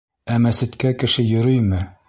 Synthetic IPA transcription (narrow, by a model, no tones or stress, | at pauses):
æmæsɘ̆t̪kækɘ̆ʃɘjŏɾɵjmɘ